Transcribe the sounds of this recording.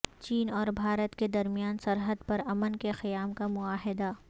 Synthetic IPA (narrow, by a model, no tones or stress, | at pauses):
t͡ʃiːnɔːɾbʱaːɾət̪ked̪ɐɾmijaːnsɐɾɦəd̪pɐɾɐmənkexɪjaːmkamʊaːɦɪd̪a